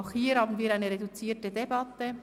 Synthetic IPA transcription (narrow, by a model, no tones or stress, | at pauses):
ʊxhiːhɑːbn̩viːɐɾaɪnəʁedut͡siːtədebɑtə